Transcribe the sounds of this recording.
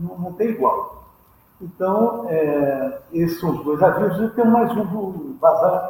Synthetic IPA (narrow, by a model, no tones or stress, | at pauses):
nɐ̃w̃nɐ̃w̃t̪ẽj̃iɣwalˠ | ẽnt̪ɐ̃w̃ɛ | essɐ̃w̃uʒd̪ojzaʒevzek̪ẽw̃majzũvuβaza